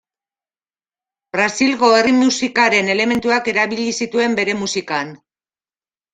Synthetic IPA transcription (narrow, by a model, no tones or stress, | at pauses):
b̥ɾasilɣo̞e̞rimusikaɾe̞ne̞le̞me̞nt̪uake̞ɾaβiʎisit̪ue̞mbe̞ɾe̞musikan